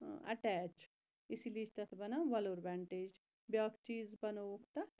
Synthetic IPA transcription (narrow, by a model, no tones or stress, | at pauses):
ɐ̰ʈɛːt͡ʃ | ɪsiliːt͡ʃʰt̪ɐt̪ʰbɐnaʋɐloːɾbɛːɳʈeːd͡ʒ | bjaːkt͡ʃiːzbɐnokt̪ɐ